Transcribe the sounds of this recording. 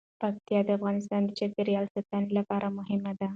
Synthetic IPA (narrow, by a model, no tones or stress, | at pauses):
pak̚t̪jɑd̪əafɣɑnɪst̪ɑnd̪əd͡ʒaɾɡeɾijɑlsat̪ɑnilapɑɾʔamʊɦɪmad̪a